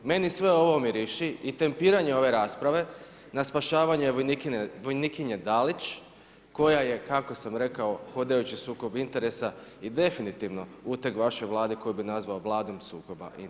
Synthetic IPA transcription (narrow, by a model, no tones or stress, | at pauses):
me̞nisʋe̞o̞ʋo̞miɾiʃiit̪e̞mpiːɾaɲe̞o̞ʋe̞ɾaːspɾaʋe̞ | naspaʃaːʋaɲueʋonikinʋojnikiɲed̪alit͡ʃ | ko̞jaje̞kako̞samɾe̞kaoxo̞d̪ajut͡ɕisuːko̞bint̪e̞ɾesaid̪e̞finit̪iʋno̞ut̪e̞kʋaʃo̞jʋlˠaːd̪eko̞jubinazʋaoʋlˠaːd̪omsuːko̞ba̰ʔi